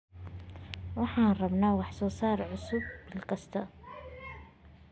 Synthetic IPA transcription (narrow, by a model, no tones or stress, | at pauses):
wɑħanrˤɑbnaːwaħsuːsɑːɾˤʕʊsʊb̚b̥ɪlqɑst̪ɑ